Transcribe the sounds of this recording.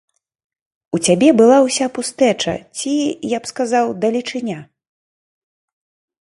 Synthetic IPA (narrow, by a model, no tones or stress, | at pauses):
ut͡sʲabʲɛbɨlˠawsʲapust̪ɛt͡ʂɐ̰t͡sʲijapskazawd̪ɐlʲit͡ʂɨnʲa